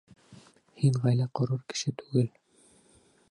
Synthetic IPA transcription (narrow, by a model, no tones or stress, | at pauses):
hiɴʁæjlæqŏɾuɾkɘ̥̆ʃɘt̪ʉɡɘl